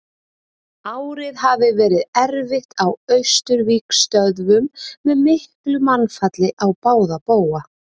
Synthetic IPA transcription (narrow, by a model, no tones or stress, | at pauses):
aːwɾɪðhavɪvɛːɾɪðɛɾvɪxt̪awœɥst̪ʏɾviːkst̪œðvʏmːɛðmɪhklʏmanfat̪lɪʔawpaːwðapoːwa